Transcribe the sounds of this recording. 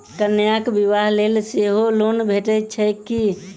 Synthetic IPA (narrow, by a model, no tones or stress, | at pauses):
kənjakbiʋaɦlelseɦolonbʱeʈəjt͡ʃʰəki